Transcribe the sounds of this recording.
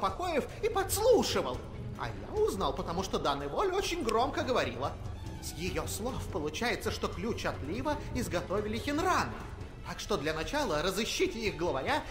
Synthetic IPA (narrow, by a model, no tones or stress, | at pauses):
pɐko̞jɪf | ipɐt̪slˠuʂɨvə̰lˠ | ɐ̰ja̰uznalˠpət̪ɐmuʂt̪od̪anːɨjvolʲot͡ɕɪnʲɡro̞mkəɡəvɐɾʲḭlˠə | sjɪjoslˠofpəlˠʊt͡ɕæjɪt̪səʂt̪oklʲut͡ɕɐt̪lʲivəɪzɡɐt̪ovʲɪlʲɪxʲɪnranɨ̰ | t̪akʂt̪o̞d̪lʲɐnɐt͡ɕalˠəɾəzɨɕːitʲɪiɣɡlˠəvɐɾʲa